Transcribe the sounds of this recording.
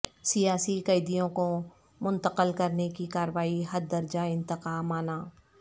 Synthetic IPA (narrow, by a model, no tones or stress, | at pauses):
sijaːsiqɐjd̪ijõko | mʊ̃nt̪əqəlkɐɾnekikaːɾəʋaːiɦɐɾd̪ɐɾd͡ʒaɪ̃nt̪ɪqaːmaːnaː